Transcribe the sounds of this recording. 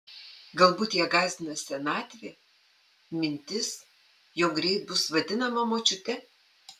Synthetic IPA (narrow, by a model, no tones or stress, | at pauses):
ɡɐlˠbuːt̪jiɛɡɑːzʲd̪ʲɪnɐsʲɛnɑːt̪ʲʋʲe | mʲɪnʲt̪ʲɪs | joːɡɾʲɛɪt̪̚bʊsʋɐd̪ʲɪnɐmɐmoːt͡ʃʲʊt̪ʲɛ